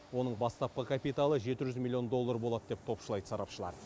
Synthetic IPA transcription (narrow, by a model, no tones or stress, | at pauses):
wo̞nəɴbɑst̪ɑp̚qəkʰapijt̪alˠəʒe̞t̪ɪʒʏzmilʲːˠio̞nd̪o̞lˠːaɾbo̞lˠɑd̪əd̪ep̚t̪ʰo̞pʃəlˠɑjd̪əsɑɾɑpʃəlˠɑ̰ɾ